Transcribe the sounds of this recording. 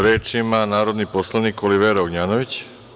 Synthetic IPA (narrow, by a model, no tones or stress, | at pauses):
ɾeːt͡ʃimanaːɾo̞d̪niposlˠaniːkoliʋeːɾoɡɲaːnoʋit͡ɕ